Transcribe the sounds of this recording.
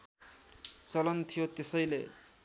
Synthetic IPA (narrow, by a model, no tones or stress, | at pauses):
t͡sʌlʌnt̪ʰijot̪esʌjlḛ